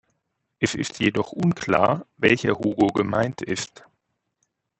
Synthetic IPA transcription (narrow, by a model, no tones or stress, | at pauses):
ʔɛsɪ̰stʰjedɔχʔʊnkʰl̥a̰ːɐvɛlçɐhoːɡoɡəma̰ɪntʰɪst